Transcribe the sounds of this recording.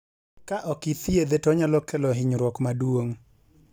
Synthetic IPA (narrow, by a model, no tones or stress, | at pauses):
kaʔɔkit̪jed̪etɔɲalɔkɛlɔɦɪɲɾwɔkmadwoŋ